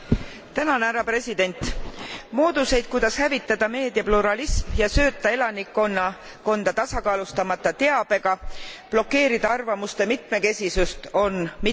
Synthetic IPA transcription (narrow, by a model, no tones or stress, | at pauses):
t̪ænɑnæɾɑpre̞sid̪̥e̞nʲt̪ˑmo̞ːd̪̥use̞jd̪̥̚kujd̪̥ɑshævit̪ːˑɑd̪̥ɑme̞ːd̪jɑpluɾɑlismjɑsø̞ːt̪ːˑɑe̞lɑnikːˑonːɑ | ko̞nd̪̥ɑt̪ɑsɑkɑːlust̪ɑmɑt̪ːˑɑt̪e̞ɑb̥e̞ɡ̥ɑplo̞kːe̞ːɾid̪̥ɑɑrvɑmust̪emit̪ˑme̞ke̞sisust̪o̞nmi